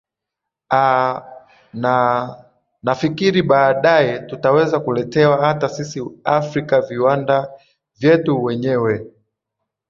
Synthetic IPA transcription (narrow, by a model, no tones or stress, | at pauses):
a | n | nafikiɾiɓaːɗajɛtutawɛzakulɛtɛwahatasisiafɾikaviwanda | vjɛtuwɛɲɛwɛ